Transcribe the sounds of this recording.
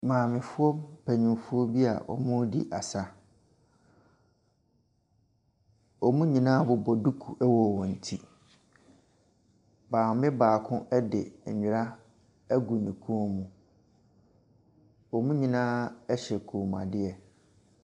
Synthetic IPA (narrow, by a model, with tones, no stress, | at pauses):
mãː˨mɪ̃˨fʊ˦ɔ˦pʰɛ˨ɲĩ˨mfʊ˦ɔ˦bi˦a̰˨ʔɔ̰˨mʊ̃˦dḭ˦ʔa˨sa˦ | ɔ˨mũ˦ɲĩ˨nãː˦bʊ˦bɔ˨du˦kʰu˨ʔɛ˦wɔ˦˨wɔ̃˨n̩˨tʰi˦ | baː˨mɪ̃˦baː˨kʰʊ̃˦ʔɛ˦dɪ˨ɲ̩˨ɲᶣɪ˨ɾa˦ | ɡu˨nĩ˨kʰu˦o˦mũ˨ | ɔ˨mũ˦ɲĩ˨nãː˦ɛ˦ɕɛ˨kʰu˨m˨ã̰˨dɪ˦ɛ˨